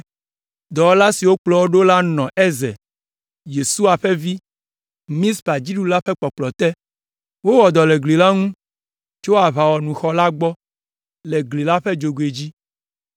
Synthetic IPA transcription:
d̪ɔ˨wla˦si˨wo˦k͡plɔ˦wo˦ɖo˦la˦nɔ̃˨ɛ˦zɛ̰˨ | je˨su˦a˨ɸɛ˦vi˦ | mĩ˦spa˨d͡ʑi˦ɖu˦la˦ɸɛ˦k͡pɔ˨k͡plɔ˨t̪ɛ˦ | wo˦wɔ˨d̪ɔ˨le˨ɡli˨la˦ŋũ˦ | t͡ʃo˦a˨βa˨wɔ˨nũ˨xɔ˦la˦ɡ͡bɔ˦ | lɛ˨ɡli˨la˦ɸɛ˦d͡ʒo˨ɡwe˨d͡ʑi˦

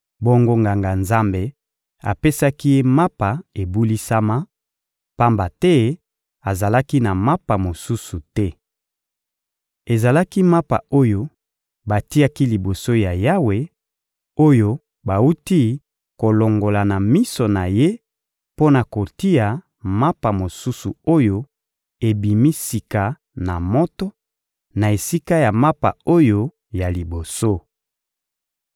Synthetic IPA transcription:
bo˦ŋɡo˦ŋɡa˨ŋɡa˨nza˦mbe˦ | a̰˨pe˦sa˦ki˦ma˦pa˨e˨bu˦li˦sa˦ma˦ | pa˦mba˨tɛ˦ | a˨za˨la˦ki˦na˨ma˦pa˨mo˨su˦su˨tɛ˦ | e˨za˨la˦ki˦ma˦pa̰˨o˦jo˦ | ba˨ti˦a˦ki˦li˨bo˨so˦ja˨ja˦we˨ | o˦jo˦ | ba˨u˦ti˦ | ko˨lo˨ŋɡo˨la˨na˨mi˦so˨na˨je˦ | po˦na˨ko˨ti˦a˨ | ma˦pa˨mo˨su˦su˨o˦jo˦ | e˨bi˨mi˦si˨ka˨ | na̰˨mɔ˦tɔ˦ | na˨e˨si˦ka˦ja˨ma˦pa̰˨o˦jo˦ | ja˨li˨bo˨so˦

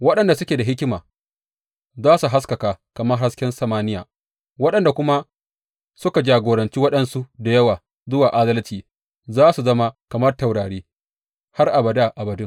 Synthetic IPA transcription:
wɐ˦ɗɐ˨nda˨sʊ˦kʲeː˨da˨ɦɪ˦kʲɪ˦maː˨ | zaː˦su˨ɦa˦skɐ˨kaː˨kɐ˨mɐ˦rha˦skʲɛ˦nsɐ˨maː˦nɪ˦ja̰ː˨ | wɐ˦ɗɐ˨nda˨kʷʊ˦ma˦ | sʊ˦ka˨d͡ʒaː˨ɡʷoː˨ɾɐ˨nt͡ʃiː˦wɐ˦ɗɐ˨nsu˦da˨jɐ˦waː˨ | zʊ˦waː˨ʔa˦zɐ˦ltiː˨ | zaː˦su˨zɐ˦ma˦kɐ˨mɐ˦rta˨wɽaː˨ɽeː˦ | ha˦rʔa˨bɐ˨daː˦˨ʔa˨bɐ˨dʊ˦ŋ

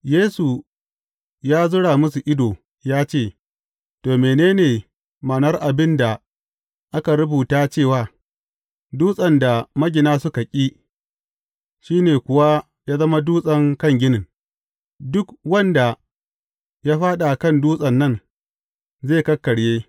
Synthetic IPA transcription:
jeː˦su˨ | jaː˦zʊ˦ɽaː˨mʊ˦su˨ʔɪ˦doː˨ | jaː˦t͡ʃeː˦˨ | toː˨meː˨neː˦neː˨ | maː˨nɐ˦rʔa˨bɪ˦nda˨ | ʔa˦ka˨ɾʊ˦buː˨taː˦t͡ʃeː˦˨waː˨ | duː˦sʼɐ˨nda˨mɐ˦ɡʲɪ˨naː˦sʊ˦ka˨kʲʼiː˦ | ʃiː˦neː˨kʷʊ˦wa˦ | jaː˦zɐ˦ma˦duː˦sʼɐ˦ŋkɐ˦˨ŋɡʲɪ˦nɪ˨n | dʊ˦kwɐ˦nda˨ | jaː˦ɸaː˦ɗa˨kɐ˦˨nduː˦sʼɐ˨nːɐ˦n | zeː˦˨kɐ˦kːɐ˨ɽjeː˦

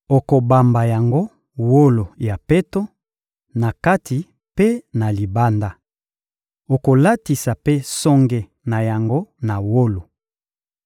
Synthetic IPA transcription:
o˨ko˨ba˨mba˨ja˨ŋɡo˦ | wo˦lo˨ja˨pe˦to˦ | na˨ka˦ti˨ | pe˦na˨li˨ba˦nda˦ | o˨ko˨la˦ti˨sa˨pe˦sɔ˦ŋɡe˨ | na˨ja˨ŋɡo˦na˨wo˦lo˨

